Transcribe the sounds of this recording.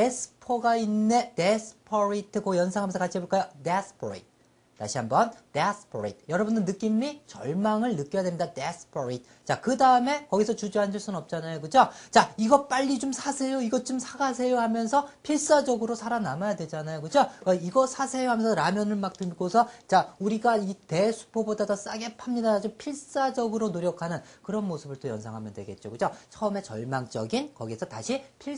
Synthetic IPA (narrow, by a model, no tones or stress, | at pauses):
tesʰɯ̥pʰoɡainːe̞desʰpʰʌɾitʰɯkojʌnsʰaŋɦamjʌnsʰkat͡ɕʰieboɭk͈ajodesʰpʰoɾḛjt͈̚ʰː | a̰ɕʰiɦambʌndesʰpʰoɾḛjt̚ʰjʌɾʌbundɯnːɯk͈imit͡ɕʌɭmaŋɯɭnɯk͈jʌjadwemɲidadesʰpʰʌɾet̚ʰ | t͡ɕ͈akɯdaɯme̞kʌɡisʰʌt͡ɕud͡ʑoɦand͡ʑɯɭs͈unɯnʌp̚t͡ɕ͈anajokɯd͡ʑot͡ɕaiɡʌp͈aʎːid͡ʑomsʰasʰe̞joiɡʌt͡ɕ͈omsʰaɡasʰe̞joɦamjʌnsʰʌpʰiɭs͈ad͡ʑʌɡɯɾosʰaɾanamajadwe̞d͡ʑanajokɯd͡ʑokaiɡʌsʰasʰe̞joɦamjʌnsʰʌɾamjʌnɯɭmak̚t͈ɯnɡosʰʌt͡ɕauɾiɡaite̞sʰu̥pʰobodadʌs͈aɡe̞pʰamɲidad͡ʑompʰiɭs͈ad͡ʑʌɡɯɾonoɾjʌkʰanɯnkɯɾʌnmosʰɯbɯɭt͈ojʌnsʰaŋɦamjʌndweɡe̞̰t̚t͡ɕ͈okɯd͡ʑot͡ɕʰʌɯme̞t͡ɕʌ̰ɭmaŋt͡ɕ͈ʌ̰ɡinkʌɡisʰʌtaɕʰipʰiɭ